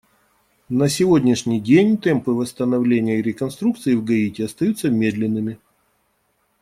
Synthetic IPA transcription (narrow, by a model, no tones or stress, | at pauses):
nəsʲɪvodʲnʲɪʂnʲɪjdʲenʲt̪ɛmpɨvəst̪ənɐvlʲenʲɪjəiɾʲɪkɐnst̪ɾuk̚t̪sɨɪvɡɐitʲɪɐst̪ɐjut̪səmʲe̞d̪lʲɪnːɨmʲɪ